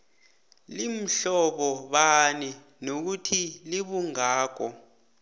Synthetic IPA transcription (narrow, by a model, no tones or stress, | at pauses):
lim̩ɬɔɓɔɓani | nok̬utʰiliɓuŋaːk̬ɔ